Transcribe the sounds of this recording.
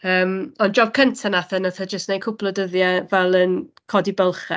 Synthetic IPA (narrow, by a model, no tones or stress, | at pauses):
əːmɔnd͡ʒɔvkʰəntʰanaθɛnaθad͡ʒəstnejkʰʊpʰlˠɔdəðjavɛlˠənkʰɔdibɛlˠχɛ̰